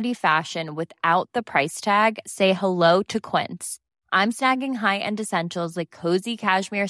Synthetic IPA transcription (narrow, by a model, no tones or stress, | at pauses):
ɾifæʃɨ̃nwɨθaʊt̪̚ðɨpʰɹ̥aɪstʰæɡseɪhəloʊɾɨkʰw̥ɪ̰̃nts | ʔãɪ̃msnæɡɪ̃ŋɦaɪʔɨ̰̃ndɨsɛ̃nʃl̩ˠzlaɪkʰːoʊzikʰæʒmɪɹ